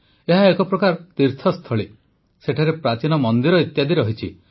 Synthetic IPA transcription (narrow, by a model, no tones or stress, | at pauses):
eɦaekɔpɾɔkaɾt̪iɾt̪ʰɔst̪ʰɔɭi | seʈʰaɾepɾat͡ʃinɔmɔnd̪iɾɔit̪jad̪iɾɔɦit͡ʃʰḭ